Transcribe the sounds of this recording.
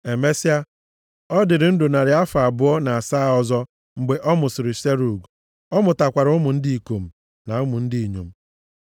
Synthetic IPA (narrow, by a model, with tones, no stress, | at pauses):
e˨me˦si˦a˦ | ɔ˦dɪ˨ɾɪ˨n̩˦dʊ˨na˨ɾɪ˨a˦fa˨bʊ˦ɔ˦na˨a˨saː˦˨ɔ˦zɔ˦ | ŋ͡m̩˨ɡ͡be˨ʔɔ˦mʊ˨sɪ˨ɾɪ˨se˦ɾu˨ɡ | ɔ˦mʊ˨ta˨kʷa˨ɾʊ˦mʊ˨n̩˦di˦i˨ko˨m̩˨ | na˨ʊ˦mʊ˨n̩˦di˦i˨ɲo˨m̩˦